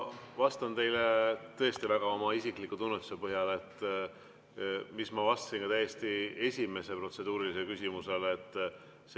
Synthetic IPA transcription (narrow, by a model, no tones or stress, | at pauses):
vɑst̪ɑnt̪e̞jlet̪ɤ̞est̪ivæɡ̥ɑo̞mɑisikˑlikːˑut̪unːet̪u̥sepɤɦjɑlet̪ːˑ | mismɑvɑst̪ɑ̥sinkɑt̪æje̞st̪ie̞sʲime̞se̞pro̞t̪se̞d̪uːɾilis̬e̞lkysʲimuse̞let̪ːˑ | s